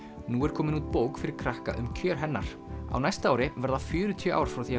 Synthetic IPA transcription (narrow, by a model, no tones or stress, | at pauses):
nuɛɾ̥kʰɔːmɪnuːt̪̚poːwkfɪɾɪɾ̥kʰɾahka̰ʔʏ̰mcʰœːɾ̥ɦɛnːa̰ɾ̥ | a̰wnajst̪aaːwɾɪvɛɾðafjʏːɾʏt̪ʰiœʔa̰wɾ̥fɾawθiː